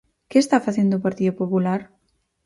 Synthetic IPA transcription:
kɪest̪afaθend̪oʊːpaɾt̪iðʊpopulaɾ

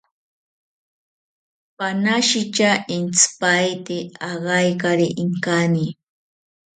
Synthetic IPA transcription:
panaʃɪt͡ʃaɪnspajt̪eaɢɑjkaɾiʔɪŋkani

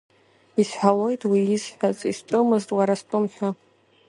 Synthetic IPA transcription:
isħʷᶣalo̞jtʼwiizħʷᶣazʼisʈ͡ʂʷʼɨmɨztʼwaɾastʷʼɨmħᶣʷa

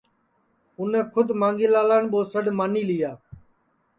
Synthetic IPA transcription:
ʊnẽːkʰʊd̪mãːŋɡiːlaːlaːɳɓoːsəɖmaːniːlɪjaː

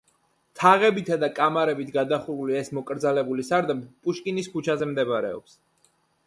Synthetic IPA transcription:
t̪ʰaʁɛbit̪ʰad̪akʼamaɾɛbit̪ʰɡad̪aχuɾuliɛsmɔkʼɾd̪zalɛbulisaɾd̪abpʼuʃkʼinisput͡ʃʰazɛmd̪ɛbɾɛ̰ɔ̰ps

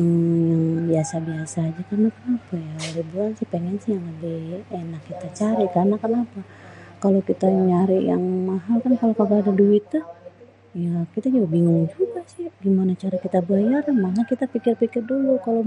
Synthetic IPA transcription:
aŋjaŋbiasabiasaːd͡ʒakarnakənapajaoɾibulansɪhpeŋɛnsɪhjaŋadienakːit̪at͡ʃaɾikarnakənapa | kalokit̪aɲaɾiʔjaŋmaɦalkankalokalaadaduɪt̪ːəh | jakit̪ad͡ʒuɡabiŋʊŋd͡ʒuɡasɪhɡimanat͡ʃaɾakit̪abajaramanakit̪apikɪrpikɪrdulukalo

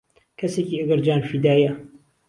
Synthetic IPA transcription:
kʰɐseːkiːʔɐɡɐɾd͡ʒaːnfiːd̪aːjɐ

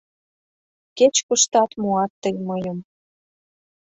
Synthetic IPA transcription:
ket͡ɕkuʃt̪ɑt̪muɑt̪ːəjmɤjəm

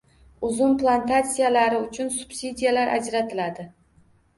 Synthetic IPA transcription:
ʊzʊnplˠant̪at̪sijalaɾɪʊt͡ʃʰʊnsʊ̥b̥sʲid̪ʲijalaɾʔa̰d͡ʒɾat̪ʰɪlad̪ɪ

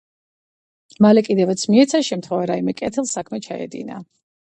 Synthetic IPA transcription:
malɛkʼid̪ɛvat̪sʰmiɛt̪sʰaʃɛmt̪ʰχwɛvaɾaimɛkʼɛt̪ʰɛlˠsakʰmɛt͡ʃʰaɛ̰d̪ḭna̰

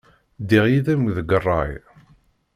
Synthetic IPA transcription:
d̪iʁjiðæmðəɡərˤːɑj

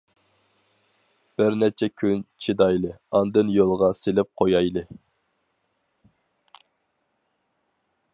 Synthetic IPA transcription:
b̥ɪɾnɛt͡ʃʰɛkʲʰynt͡ʃʰid̪ɑjlˠɨɑnd̪ɨnjolˠʁɑselɪp̚qʰojɑjlˠɨ

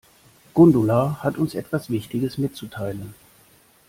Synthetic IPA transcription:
ɡ̥ʊndʊlahatʊnsʔɛtv̥asv̥ɪçtɪɡəsmɪtt͡sutʰaɪlən

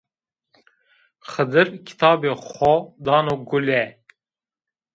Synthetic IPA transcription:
xəd̪ɨɾkʰi̥t̪ʰɑːbeːχɔd̪ɑːnoːɡulɛ

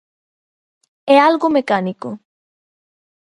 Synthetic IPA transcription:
ɛalɣomekaniko

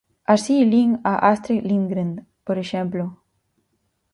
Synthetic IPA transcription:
asiliŋaʔast̪ɾilĩŋɡɾand̪ | poɾeʃẽmplo

